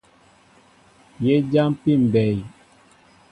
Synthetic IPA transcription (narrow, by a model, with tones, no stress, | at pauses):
je˦d͡ʒa˦mpi˦˨m̩˨bɛ˨j